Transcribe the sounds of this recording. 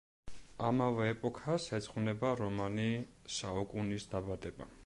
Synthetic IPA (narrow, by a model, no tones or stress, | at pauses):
amavɛːpʼɔkʰasɛt̪sʼχvnɛbaɾɔmanisaukʼunisd̪abad̪ɛba̰